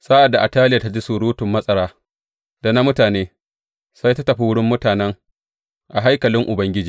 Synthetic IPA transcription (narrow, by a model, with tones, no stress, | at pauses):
sa˦ʔa˨dːa˨ʔa˨taː˦lɪ˦ja˨ta˦d͡ʒi˦su˨ɽuː˦tʊ˨mːɐ˦sʼɐ˦ɽaː˦ | da˨na˦mʊ˦taː˨neː˦ | sa˦jta˦tɐ˨ɸi˦wʊ˦ɽɪ˦mːʊ˦taː˨nɛ˦ŋ | ʔa˨ɦa˦jkɐ˨lɪ˦ŋʔʊ˨bɐ˦ŋɡʲɪ˦d͡ʒiː˨